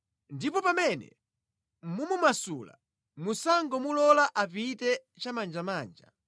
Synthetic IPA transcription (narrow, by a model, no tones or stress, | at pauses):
ndipɔpamɛnɛ̰ | mumumasuːla̰ | musaŋɡɔmulɔlaʔapitɛ | t͡ʃamand͡ʒamaːnd͡ʒa̰